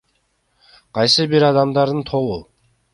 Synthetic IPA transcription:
qʰɑjsɨbiɾɑd̪ɑmd̪ɑɾd̪ɯnt̪ʰo̞lu

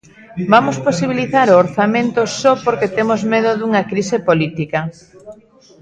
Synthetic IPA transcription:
bamosposiβ̞iliθaɾoːɾθamẽnt̪osɔpoɾket̪emozmeðoðuŋɐkɾisepolit̪ikɐ

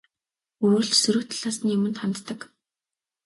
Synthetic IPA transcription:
uːɮt͡ɕsɵɾuːt̪ʰaɮ̥aːsɘ̆njʊmɘ̆nt̪χant̪ːə̆k

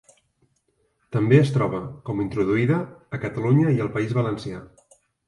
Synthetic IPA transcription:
t̪əmbeəst̪ɾɔβ̞əkɔmint̪ɾuðuiðəːkət̪əluɲəiəlˠpəizβələnsia

